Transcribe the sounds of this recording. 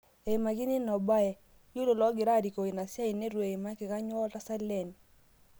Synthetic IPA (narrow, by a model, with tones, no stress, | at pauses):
e˨i˨ma˨ɡi˦ni˦nɔ˨ba˦ɛ˨ | ju˦lo˨lɔ˦ɡɪ˨ɾa˦˨ɾi˨ko˨i˨na˨sja˦i˨ne˦ɾwe˨i˨ma˦kɪ˨ka˦ɲwɔ˦ta˦sa˦lɛ˦˨n˨